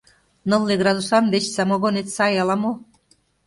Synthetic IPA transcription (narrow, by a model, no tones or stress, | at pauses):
nɤ̆lːeɣɾɑzuʃɑnβet͡ɕsɑmoɣonet̪sɑjɑlɑmo